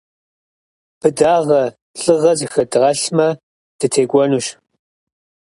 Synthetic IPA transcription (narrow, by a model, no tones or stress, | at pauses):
pʰɨdaːʁɐ | ɬʼɨʁɐzɨxɐdʁɐɬmɐ | d̥ɨtʰeːkʷʼɔnuːɕ